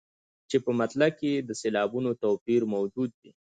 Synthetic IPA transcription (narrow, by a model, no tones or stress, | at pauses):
t͡ʃepəmat̪lab̚ked̪əselɑbunot̪opiɾmawd͡ʒud̪̚ːi